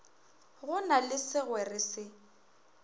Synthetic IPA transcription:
ɣʊnalɪsɪɣwɛrɪsɪ

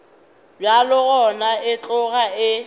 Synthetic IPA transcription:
bjalʊɣɔnaɪt͡ɬʼʊɣaɪ

